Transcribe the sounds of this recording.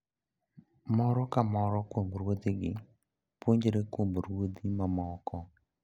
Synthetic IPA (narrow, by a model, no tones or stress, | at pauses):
mɔɾɔkamɔɾɔkwomboɾwod̪iɡɪ | pwoɲd͡ʒeɾekwomboɾwod̪imamɔkɔ